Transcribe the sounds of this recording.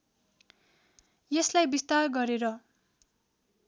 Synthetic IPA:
jeslajbist̪arɡʌɾeɾʌ

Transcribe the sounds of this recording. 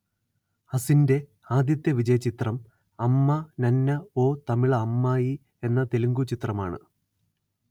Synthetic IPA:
hɐsinde̞ | aːd̪jɐt̪ːjɐʋid͡ʑɐjɐt͡ɕːit̪rɐm | ɐmːɐnɐnːɐo̞ːt̪ɐmiɭɐːmːaːji | e̞nːɐt̪eluŋɡut͡ɕit̪rɐmaːɳɨ̰

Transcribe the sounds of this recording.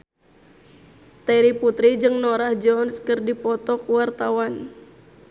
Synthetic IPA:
t̪aɾiput̪ɾid͡ʒɨŋnoɾahd͡ʒɔnskərdipɔt̪ɔkuwart̪awan

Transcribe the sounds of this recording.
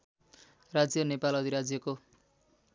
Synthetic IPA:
rad͡zjʌnepalʌd̪ʱiɾad͡zjʌko

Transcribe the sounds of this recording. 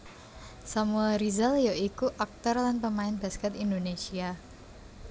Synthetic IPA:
samuɛlɾizaljaikuʔak̚t̪ɔrlanpəmaɪnba̤skɛt̪indonesia

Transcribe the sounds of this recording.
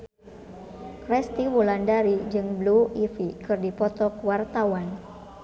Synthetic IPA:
kɾɛst̪iwulandaɾid͡ʒɨŋbluifikɨrdipɔt̪ɔkəwart̪awan

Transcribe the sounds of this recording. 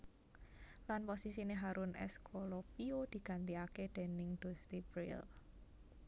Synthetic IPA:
lanposisineɦaɾʊnʔɛ̰skʰolɔpiod̪̥i̤ɡ̥a̤nt̪̬iaked̪̥e̤nɪŋd̪̥o̤st̪ib̥ɾɪ̰l

